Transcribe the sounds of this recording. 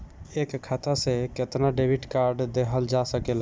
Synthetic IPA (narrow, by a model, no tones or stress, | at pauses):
ekkʰːat̪aseket̪naɖebʱiʈkaɾɖd̪eɦəld͡ʒasəkelɦ